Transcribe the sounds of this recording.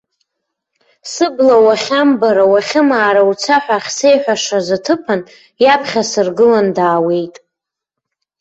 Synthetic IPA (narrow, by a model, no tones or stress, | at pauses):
sɨblawaχʲambaɾawaχʲɪmaːɾawt͡sʷʰaħʷᶣaχʲse̞jħʷᶣaʂazatʰɨpʰan | japʰχʲasɨrɡɨlandaːwe̞jtʼ